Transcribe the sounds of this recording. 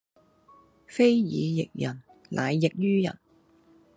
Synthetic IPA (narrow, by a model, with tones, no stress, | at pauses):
fe˥jjiː˨˧jɪ˨k̚jɐ˨˩n | lʔa̰ː˨˧jːɪ˨k̚jyː˥jɐ̰˨˩n